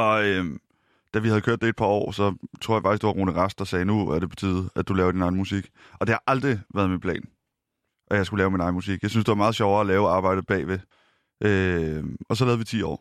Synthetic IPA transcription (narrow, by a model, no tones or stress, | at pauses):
ɒ̽øm | d̥æʋihæðˠkʰøɐ̰d̥eed̥̚pʰɑ̈ɒ̰ːsɒ̽t͡sʰo̝ɐjɑfɑ̈ɡ̥is̚d̥uʋɑ̈ʁo̰ːnəʁɑsd̥ɑsɛːnuæɐɾ̥e̝pʰɒ̥̽t͡sʰiːð̩ˠæd̥ulɛːʊɐd̥inɑ̈ɪn̩musiɡ̥ | ʔɒ̽d̥e̝hɑ̈ʔɑ̈ld̥ʁiʋæːɐð̞ˠminpʰlɛ̰ːn | ʔɒjɑɪsɡ̥ulɛːʊminɑ̈ɪnmusiɡ̥jɑ̈ɪsynsd̥e̝ʋɑ̈mɑ̈ːð̞̩ˠɕɒʊɐælɛːʊɑ̈ːb̥ɑ̈ɪ̰d̥ð̩ˠb̥ɛ̰ːʋe̝ | ʔø | ɒ̽sɒ̽lɛːðˠʋit͡sʰḭːɒ̰ː